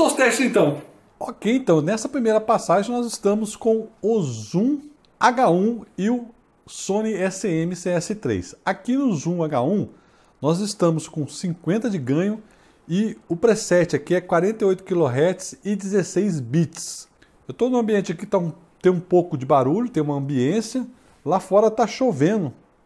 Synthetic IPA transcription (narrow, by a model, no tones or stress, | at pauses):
sõst̪ɛʃɪzẽt̪ɐ̃w̃ | okejẽnt̪ɐ̃w̃nɛsɐpɾimejɾɐpasaʒẽj̃nɔzɪst̪ɐ̃mʊskõw̃ʊzũ | aɡaũɪʊ | sõnɪɛsɪẽmɪseɛsɪt̪ɾḛjsakinʊzũaɡaũ | nɔzɪst̪ɐ̃mʊskõsĩŋkwẽnt̪ɐd͡ʒɪɡɐ̃ɲʊ | ɪʊpɾesɛt͡ʃɪakiɛkwaɾẽnt̪ɐeojt̪ʊ̥kiloɦɛɾt͡ʃɪ̥sɪd͡ʒɪzesejzbit͡ʃɪ̥s | ewt̪onʊɐ̃mbiẽnt͡ʃɪakit̪aũ | t̪ẽj̃ũpowkʊd͡ʒɪbaɾuʎʊt̪ẽj̃ũmɐɐ̃mbiẽsjɐ | lafɔɾɐt̪aʃovẽnʊ